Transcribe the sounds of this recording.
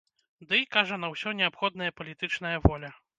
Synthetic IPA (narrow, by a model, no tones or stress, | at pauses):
d̪ɨjkaʐɐnɐwsʲɔnʲɛapxɔd̪̚nɐjɐpɐlʲit̪ɨt͡ʂnɐjɐvɔlʲɐ